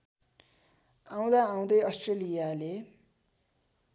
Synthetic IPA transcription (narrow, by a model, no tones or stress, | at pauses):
ãw̃d̪aãw̃d̪ʌjʌsʈrelijale